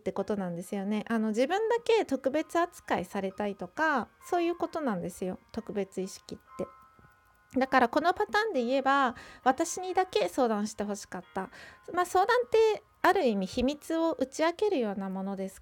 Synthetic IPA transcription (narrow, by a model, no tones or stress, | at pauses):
t̪ːe̞ko̞t̪o̞nãnd̪e̞sɨjo̞ne̞ʔano̞ʑibɯ̟̃nd̪ake̞t̪o̞kɯ̟be̞t͡sɨat͡sɨ̥kaisaɾe̞t̪ait̪o̞kaso̞ːjɯ̟ːko̞t̪o̞nãnd̪e̞sɨjo̞t̪o̞kɯ̟be̞t͡sɨiɕi̥kʲit̪ːe̞ | d̪akaɾako̞no̞pat̪ãːnd̪e̞ie̞baβat̪aɕiɲ̟id̪ake̞so̞ːd̪ãɰ̃ɕi̥t̪e̞ɦo̞ɕi̥kat̪ːamaːso̞ːd̪ãnt̪e̞ | aɾɯ̟imʲiçimʲit͡sɨo̞ʔɯ̟t͡ɕiake̞ɾɯ̟jo̞ːnamo̞no̞d̪e̞sɨ̥